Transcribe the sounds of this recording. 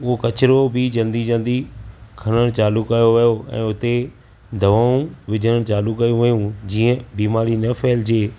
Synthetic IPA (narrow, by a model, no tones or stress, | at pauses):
ʊɦokɐt͡ɕɪɾobʱɪd͡ʑɐ̃nd̪id͡ʑɐ̃nd̪ikʰɐɽ̃əɽ̃t͡ɕaːlʊkaːjoʋɐjoɛ̰̃ːʊt̪e | d̪ʱɐʋaːũʋɪd͡ʑʱəɽ̃əɽ̃t͡ɕaːlʊkːɐjũʋɐjũd͡ʑiːə̃biːmaːɾinɐfeːld͡ʑeː